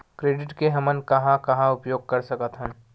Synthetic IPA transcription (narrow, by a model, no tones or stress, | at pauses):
kɾeːɖɪʈkeɦɐmənkɐɦãkɐɦãʊpjoːɡ̚kɐɾsɐkət̪ɦə̃